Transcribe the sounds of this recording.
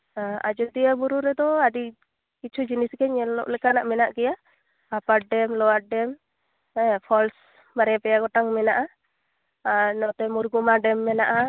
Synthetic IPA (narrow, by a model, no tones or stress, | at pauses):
aa̰d͡ʒɔd̪ijabuɾuɾɛd̪ɔaɖi | kit͡ʃʰud͡ʒiniskɛɲɛlɔ̰ʔlɛkanaʔmɛnaʔkɛja | apaʈ̚ɖɛmlɔwaɖɛm | ɛpʰɔls | baɾɛpɛjaɡɔʈaŋmɛnaʔa | anɔt̪ɛmuɾɡumaɖɛmːɛnaʔa